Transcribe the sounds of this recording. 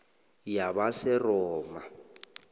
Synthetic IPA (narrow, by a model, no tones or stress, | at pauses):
jabasɪrɔːma